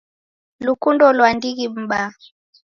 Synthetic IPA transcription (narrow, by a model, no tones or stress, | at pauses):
lukundɔlwandiɣim̩ɓa